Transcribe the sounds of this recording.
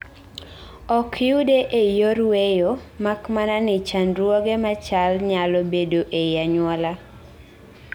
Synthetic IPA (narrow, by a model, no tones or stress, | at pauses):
ɔkʰɪudeʔejoɾwejomakmananɪt͡ʃanɾwɔɡemat͡ʃalɲalɔbedoʔejaɲwɔla